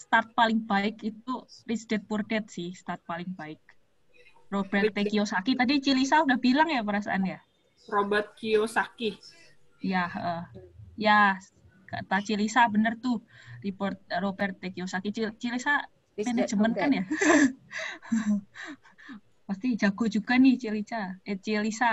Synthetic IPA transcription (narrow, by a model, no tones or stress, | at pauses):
st̪art̪̚palɪŋbaɪkit̪urisidɛt̪̚purdɛt̪̚sɪhst̪art̪̚palɪŋbaɪk̚ | robɛrt̪ekiosakit̪adit͡ʃilisaudahbilaŋjapəɾasa̰ʔanja | robət̪̚kiosaki | jahəhja | kat̪at͡ʃilisabənərt̪ʊ | diport̪̚robɛrt̪ekiosakit͡ʃit͡ʃilisa | t̪ɛndɛd͡ʒəmənkanja | past̪id͡ʒaɡod͡ʒuɡanɪht͡ʃilisaɛt͡ʃilisa